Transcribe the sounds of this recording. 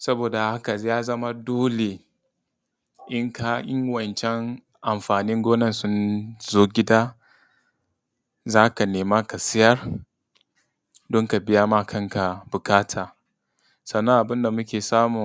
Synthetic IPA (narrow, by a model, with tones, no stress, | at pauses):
sɐ˦boː˨da˨ha˦ka˨˦jaː˦zɐ˦ma˦doː˦le˨ | ʔɪ˦ŋkʰa˦ʔɪ˦ŋwɐ˨nt͡ʃɛ˦ŋ | ʔa˨mɸaː˨nɪ˦ŋɡʷoː˦nɐ˦˨nsʊ˦nzoː˦ɡʲɪ˦daː˦ | zaː˦ka˨neː˨ma˦ka˨sɪ˦jɐ˦r | dɔ˦ŋka˨bɪ˦ja˦ma˦kʰɐ˦ŋka˨bʊ˨kaː˦tʰaː˨ | sɐ˨nːɐ˦ŋʔa˨bɪ˦nda˨mʊ˦kʲeː˨saː˦mʊ˨